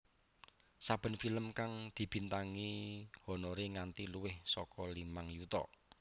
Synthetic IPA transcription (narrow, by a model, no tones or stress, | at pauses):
sab̥ə̤nfiləmkaŋd̪̥i̤b̥i̤nt̪aŋihɔ̤noɾiŋant̪iluwɪhsɔkɔlimaŋjut̪ɔ̰